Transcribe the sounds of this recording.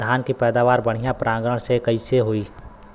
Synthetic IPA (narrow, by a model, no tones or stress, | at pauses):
aːnkipɛːd̪aːʋaːɾbəɽ̤ijãpɾãːŋɡɾəɽ̃sekəiseɦoːiː